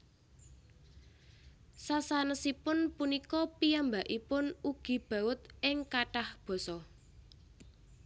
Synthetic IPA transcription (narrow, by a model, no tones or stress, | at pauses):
sasanəsipʊnpunikɔpiambaʔipʊnuɡ̥i̤b̥a̤ʊt̪̚ɪŋkaʈahb̥ɔ̤sɔ